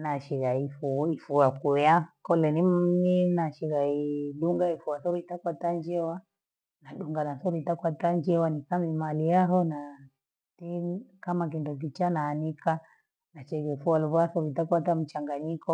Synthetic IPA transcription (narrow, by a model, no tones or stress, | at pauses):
naʃiɣaifuifuakuakɔlɛnimminaʃiɣaiɗuŋɡaifuwasɔɾuitakwataɲd͡ʒɛwa | naɗuŋɡanasɔɾuitakwataɲd͡ʒɛwanisamimalijaɦɔna | tɛkamak̬indɔk̬it͡ʃanaːnika | nat͡ʃɛɣɛfuwaluβasɔɾuitakwatam̩t͡ʃaŋɡaɲikɔ